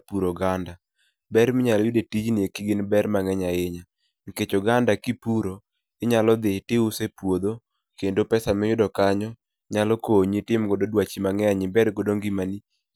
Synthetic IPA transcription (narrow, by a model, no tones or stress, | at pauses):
puɾoɡanda | bɛɾmɪɲaljʊdetid͡ʒnɪekɪɡɪnbɛrmaŋɛɲaɪɲa | ŋiket͡ʃoɡandakipuɾo | ɪɲalɔd̪ɪtɪʊsepwod̪o | kendopɛsamɛjʊdɔkaɲɔ | ɲalɔkoɲitɪmɡɔdodwat͡ʃimaŋɛaɲɪbɛdɡɔdoŋɡimani